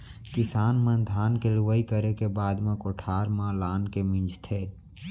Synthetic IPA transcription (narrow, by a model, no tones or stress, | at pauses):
kɪsaːnmə̃d̪ʱaːnkeluʋəikəɾekebaːd̪mẽkoʈʰaːɾmãlaːnkemɪ̃nd͡ʒt̪ʰeː